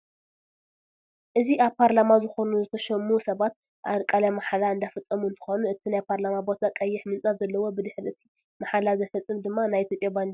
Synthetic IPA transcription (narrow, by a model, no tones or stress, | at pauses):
ʔɨziʔaβpʰaɾlamazɨxo̞nuzɨt̪ʰɐʃɐmusɐβat̪̚ | ʔa̰ɾkʼalamaħalaɨnd̪afɨt͡sʼːɐmuɨnt̪ʰɨ̥xo̞nuɨt̪ʰinajpʰaɾlamabo̞t̪ʰakʼɐjːɪħmɨnt͡sʼatzɐlːɐwo̞bɨd̪ɨħɾɨt̪ʰi | maħalazɐfɐt͡sʼːɨmd̪ɨmːanajit̪ʰʲjopʼjaband̪i